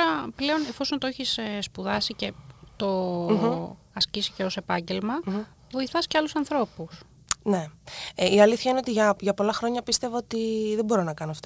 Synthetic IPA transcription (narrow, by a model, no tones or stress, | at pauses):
t̪oɾɐple̞o̞ne̞fo̞sont̪oeçisspuðɐsice̞t̪o̞ | ɐscisi̥ce̞o̞se̞pɐɲɟe̞lmɐ | vo̞iθɐsce̞ɐlusɐnθɾo̞pus | ne̞iɐliθçɐine̞o̞t̪iʝɐʝɐpo̞lɐxɾo̞ɲɐpist̪e̞voot̪iðebo̞ɾo̞nɐkɐnoɐft̪o